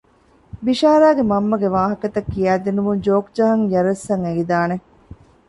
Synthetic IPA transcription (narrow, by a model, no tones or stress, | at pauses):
biʃaːɾaːɡemɐmːɐɡeʋaːɦɐkɐt̪ɐkːijæːd̪inumund͡ʒoːkd͡ʒɐɦɐŋjɐɾɐsːɐŋeɡid̪aːne